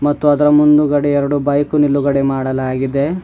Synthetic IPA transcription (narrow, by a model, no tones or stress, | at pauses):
mɐt̪ːuɐd̪ɐɾɐmund̪uɡɐɽeɛɾɐɽubɐjkunilːuɡɐɽemaːɽɐlaːɡid̪e̞